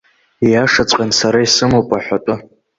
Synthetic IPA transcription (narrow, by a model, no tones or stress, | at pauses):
ijaʂat͡sʷʼqʲʼansaɾaisɨmowpʼaħʷᶣatʷʼʊ